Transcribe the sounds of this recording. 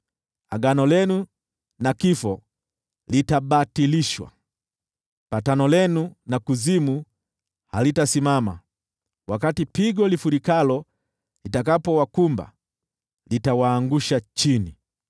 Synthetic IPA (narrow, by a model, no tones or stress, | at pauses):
a̰ɡanɔlɛnu | nakifɔ | litaɓatiliʃwa̰ | patanɔlɛnunakuzimu | halitasimama̰ | wakatipiɡɔlifuɾikalɔ | litakapɔwakumba̰ | litawaːŋɡuʃat͡ʃini